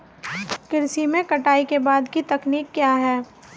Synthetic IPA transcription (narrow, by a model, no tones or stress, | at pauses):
kɪɾsimẽkɐʈaːikebaːd̪kit̪ɐkniːkːjaːɦɛː